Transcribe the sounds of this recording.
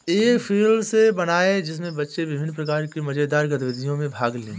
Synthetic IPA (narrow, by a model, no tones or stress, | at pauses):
eːkpʰiːlsebɐnaːed͡ʒɪs̬mẽbɐtːʃeʋɪbʱɪnːpɾɐkaːɾkimɐd͡ʒed̪aːɾɡɐt̪ʋɪd̪ijõmẽbʱaːɡlẽː